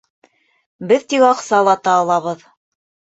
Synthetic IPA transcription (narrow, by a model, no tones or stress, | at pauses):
bɘðt̪ikɑqsɑlˠɑt̪ɑːlˠɑβɤð